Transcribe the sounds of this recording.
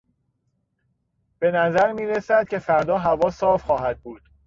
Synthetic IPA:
b̥e̞næzæɾmiːɾesæd̪̥̚cʲʰefæɾd̪ɒːɦævɒːsɒːfχɒːɦæd̪̥̚buːd̪̥

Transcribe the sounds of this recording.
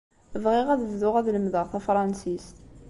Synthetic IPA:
vʁɪʁæðəvðʊʁæðləmðəʁθæfɾˤɑnsis

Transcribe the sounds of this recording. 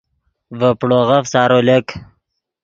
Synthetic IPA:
vəpɽoʁafsɑːɾolek

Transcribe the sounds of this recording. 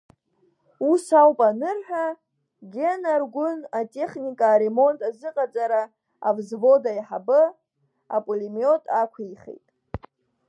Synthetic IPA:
usawpʼanɨrħᶣa | ɡʲe̞narɡʷʊnatʼe̞χnikʼaːɾe̞mo̞ntʼazɨqʼat͡sʼaɾaː | vzvo̞daiħabɨ | apʼolimio̞tʼakʷʰaiχḛjtʼ

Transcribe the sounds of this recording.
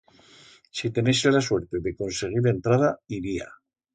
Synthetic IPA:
sit̪e̞neselaswe̞ɾt̪e̞ðe̞ko̞nse̞ɣ̞iɾe̞nt̪ɾað̞aiɾia̰

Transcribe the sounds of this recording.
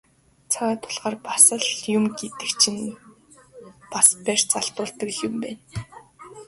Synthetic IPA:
t͡sʰawaːt̪ʰʊ̥ɮʁaːrpasə̆ɮjʊmɡet̪ɘ̆kt͡ɕʰĭn | paspært͡saɬt̪ʊːɮt̪ə̆kxʊmpæːn

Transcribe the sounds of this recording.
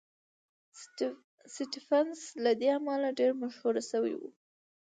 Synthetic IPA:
siʈifanslad̪eamɑlaɖeɾmaʃhuɾasawḭwṵ

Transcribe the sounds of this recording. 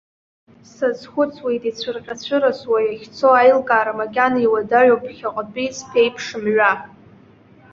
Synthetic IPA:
sazχʷʊt͡sʰʼwejtʼit͡ɕʷʰarqʲʼat͡sʷʰɨɾaswajaχʲt͡sʰoajlɡʼaːɾamaɡʲʼaniwadaɥopʰχʲaqʼpʼijt͡sʰpʰejpʰʂɨmɥa

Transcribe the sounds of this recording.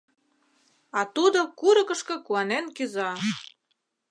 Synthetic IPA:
ɑt̪ud̪okuɾə̆kə̆ʃkɤ̆kuɑnenkyzɑ

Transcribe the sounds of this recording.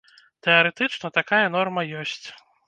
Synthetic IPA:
t̪ɛɐɾɛt̪ɨt͡ʂnɐt̪akajɐn̪ɔrmɐjɔsʲt͡sʲ

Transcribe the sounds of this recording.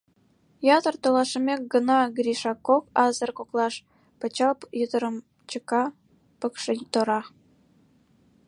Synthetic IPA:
jɑt̪ɤ̆rt̪olɑʃə̆mʲek̚ɡə̆nɑɡriʃɑkːokɑzɤ̆rkoklˠɑʃ | pə̆t͡ɕɑlpjəd̪ə̆ɾə̆m | t͡ɕə̆kɑ | pə̆kʃə̆nt̪ŏɾɑ

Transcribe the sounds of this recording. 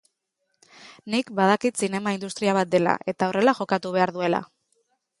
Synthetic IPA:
nikbað̞akit̪sine̞maind̪ust̪ɾiaβ̞at̪̚d̪e̞la̰ʔe̞t̪ao̞re̞laʝo̞kat̪uβ̞e̞aɾðue̞la̰

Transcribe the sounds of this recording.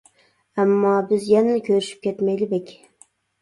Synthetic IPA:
amːɒːbɪzjanakʲʰɵɾɪʃɪ̥p̚kʲet̪majlɪbekʲ

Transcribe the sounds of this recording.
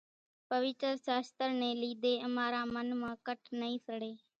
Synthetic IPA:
pəʋɪt͡ʃəɾsaːst̪əɾnẽːliːd̪eːəmaːɾãːmənmãːkəʈʰnəĩːsʰəɽeː

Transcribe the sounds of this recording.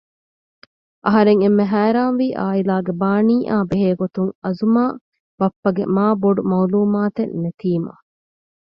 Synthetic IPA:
ʔɐɦɐɾeŋemːeɦæːɾaːnʋiːʔaːilaːɡebaːniːʔaːbeɦeːɡot̪uŋɐzumaː | bɐpːɐɡḛmaːboɖumɐuluːmaːt̪enːet̪iːmɐ̰

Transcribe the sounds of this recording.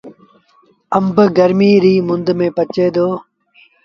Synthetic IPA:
əmbɡəɾmiːɾiːmʊnd̪mẽːpət͡ʃeːd̪oː

